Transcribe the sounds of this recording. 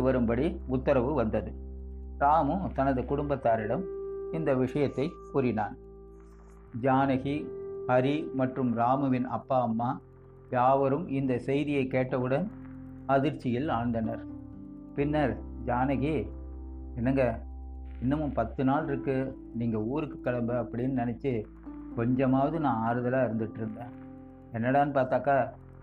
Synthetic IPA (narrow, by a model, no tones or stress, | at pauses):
ɯʋɐɾɯmbɐɽiʊt̪ːɐɾɐʋɯʋɐnd̪ɐðɯɾaːmɯt̪ɐnɐðɯkʊɽʊmbɐt̪ːaːɾɪɽɐmɪnd̪ɐʋɪʂɐjɐt̪ːɐɪpʊɾɪnaːn | d͡ʒaːnɐɣihɐɾimɐʈrɯmɾaːmɯʋɪnʔɐ̰pːaːɐmːaː | jaːʋɐɾɯmɪnd̪ɐsɛjðɪjɐɪkːeːʈːɐʋɯɽɐnɐðɪɾt͡ʃːɪjɪlaːɳd̪ɐnɐɾpɪnːɐɾ | d͡ʒaːnɐɣi | ɛnːɐŋɡɐ | ɪnːɐmɯmpɐt̪ːɯnaːlɪɾɯkːɯ | niːŋɡɐuːɾɯkːɯ̥kːɐɭɐmbɐɐpːɐɽɪnːɯnɪnɛt͡ʃːɯ | kɔɲd͡ʒɐmaːʋɐðɯnãːaːɾɯðɐlaːɪɾɯnd̪ɯʈːɾɯnd̪ẽː | ɛnːɐɽaːnɯpaːɾt̪aːkaː